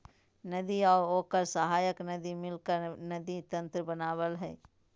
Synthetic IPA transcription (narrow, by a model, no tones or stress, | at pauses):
nɐd̪iɔːɾoːkəɾsəɦaːjəknɐd̪imɪlkəɾnɐd̪it̪ɐ̃nt̪ɾəbɐnaːwəlɦɛ̰ː